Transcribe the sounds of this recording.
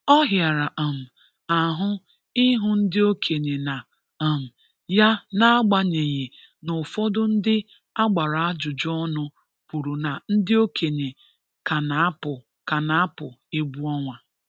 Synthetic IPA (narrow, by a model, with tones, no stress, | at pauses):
ɔ˦ɦja˨ɾa˨ʔa˨m̩˨ | a˨ɦʊ˦ | ɪ˦ɦʊ˦n̩˦dɪ˦o˦kʰe˨ɲe˨na˨ | a˨m̩˨ | ja˦na˦a˦ɡ͡ba˨ɲe˨ɲe˨ | nʊ˨fɔ˦dʊ˦n̩˦dɪ˦ | a˦ɡ͡ba˨ɾa˨a˦d͡ʒʊ˨d͡ʒɔ˦nʊ˦ | pu˨ɾu˨na˨n̩˦dɪ˦o˦kʰe˨ɲe˨ | ka˨na˨˦pʊ˨ | ka˨na˨˦a˦pʊ˨e˦bu˦ɔ˦ŋʷa˨